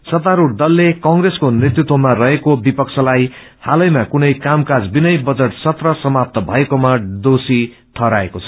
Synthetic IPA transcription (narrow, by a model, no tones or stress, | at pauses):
sʌt̪aɾuɽd̪ʌlːekʌŋɡreskonret̪ut̪womarʌɦekobipʌkt͡sʰʌlaj | halʌjmakunʌjkamkad͡zbinʌjbʌd͡zʌʈsʌt̪rʌsʌmap̚t̪ʌbʱʌekomad̪osi | ʈʰʌɾaḛkot͡sʰʌ̥